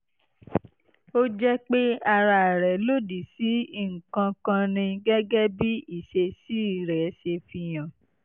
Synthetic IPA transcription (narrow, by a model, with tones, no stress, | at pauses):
o˦d͡ʒɛ˦k͡pe˦a˧ɾa˨ɾɛ˨˦lo˦di˨si˨˦i˦˨ŋ̩˨kã˧kã˧nĩ˧ɡɛ˦ɡɛ˦bi˦i˦˨ʃe˧si˦˨ɾɛ˨˦ʃe˧fi˧j̃ã˨